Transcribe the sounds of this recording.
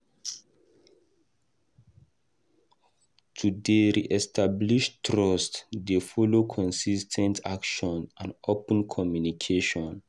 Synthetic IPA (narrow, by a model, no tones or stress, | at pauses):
tʰudeɹiʔɛstʰabliʃtɹɔstdefɔlokʰɔ̃nsistʰɛ̃ntʰakʃɔ̃nãnopə̃nkʰɔmjunikʰeʃɔ̃n